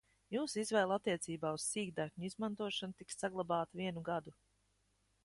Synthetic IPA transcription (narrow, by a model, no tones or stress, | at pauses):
juːsizvɛːlˠat̪ːiɛt̪siːbaːuzsiːɡd̪akɲizmant̪uɔʃanut̪iksːaɡlˠabaːt̪viɛnuɡad̪u